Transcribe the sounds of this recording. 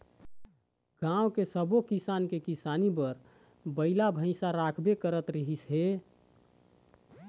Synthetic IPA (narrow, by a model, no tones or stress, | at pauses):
ɡ̥ãwkesəbokisankekisanipəɾ | bəɪlabʱə̃ɪsaɾakʰbekəɾət̪ɾəɦisɦe